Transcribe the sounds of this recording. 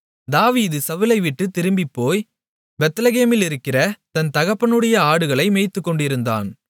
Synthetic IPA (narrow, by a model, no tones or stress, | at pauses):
d̪aːʋiːðɯsɐʋɯlɐɪʋɪʈːɯt̪ːɪɾɯmbɪpːoːj | bɛt̪ːlɐɣeːmɪlɪɾɯkːɪrɐt̪ɐnt̪ɐɣɐpːɐnɯɽɐjɐaːɽɯɣɐɭɐɪmeːɪt̪ːɯkːɔɳɖɪɾɯnd̪a̰ːn